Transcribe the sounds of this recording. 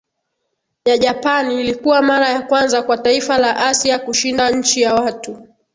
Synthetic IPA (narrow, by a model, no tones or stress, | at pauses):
jaʄapaniːlikuwamaɾajakwanzakwataifalaʔasiakuʃindaɲ̩t͡ʃijawatu